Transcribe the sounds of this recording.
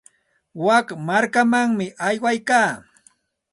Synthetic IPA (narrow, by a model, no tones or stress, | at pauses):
wakmaɾkamaŋmɪʔajwajkaː